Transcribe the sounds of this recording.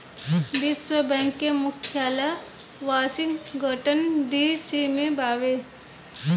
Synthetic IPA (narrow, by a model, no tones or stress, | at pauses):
biswəbɛ̃ːŋkːemʊkʰjaːla | ʋaːsɪŋɡʱəʈənd̪iːsimẽbaːʋe